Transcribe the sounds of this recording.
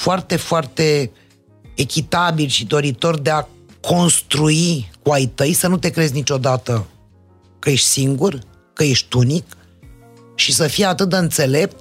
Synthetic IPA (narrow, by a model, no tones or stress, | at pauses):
foart̪e̞foart̪e̞ː | kʲit̪abilʃid̪o̞ɾit̪o̞rd̪e̞a | kʰo̞nst̪ɾuikuajt̪əjsənut̪e̞kɾe̞zʲnit͡ʃo̞d̪at̪ə | kəje̞ʃt̪ʲsiŋɡur | kəje̞ʃt̪unik | ʃisəfijat̪ɨt̪d̪əɨnt̪se̞le̞p̚t̪